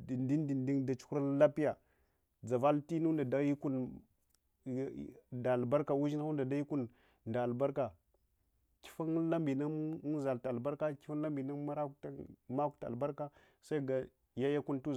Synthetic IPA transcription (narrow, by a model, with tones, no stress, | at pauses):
di˨ndi˦ndi˨ndi˦ŋda˨t͡ʃu̥˦ku˦ɾa˦la˦pi˦ja˨ | d͡za˨va˦lti˦nu˦nda˨da˦ji˦ku˦n˨ | da˨lba˦ɾka˨wu˦ʒi˦na˦u˦nda˨da˦ji˦ku˦n | nda˨lba˦ɾka˨ | ki̥˦fa˦nla˦mbi˨na˦za˨lta˨lba˦ɾka˦ki̥˦fa˦n˦la˦mbi˨na˦ma˦ɾa˦ta˨ma˦ku˦ta˨a̰˨ba˦ɾka˦ | sa˦i˦ɡa˨ | ja˦ja˦ku˦ntu˦